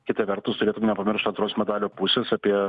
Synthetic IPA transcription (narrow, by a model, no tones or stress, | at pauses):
kʲɪt̪ɐʋʲɛɾt̪ʊst̪ʊɾʲeːt̪ʊmʲnʲɛpɐmʲɪɾʃt̪ɐnt̪ɾoːsmʲɛd̪ɑːlʲoːpusʲeːsɑːpʲiɛ